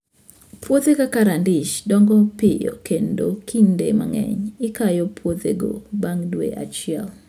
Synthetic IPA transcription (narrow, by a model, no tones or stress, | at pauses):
pwot̪ekakaɾandɪʃdɔŋɡɔpɪjɔ̰kendokʰindema̰ŋɛ̰ɲɪkajɔpʰwot̪eɡo̰baŋdwḛʔa̰t͡ʃɪɛl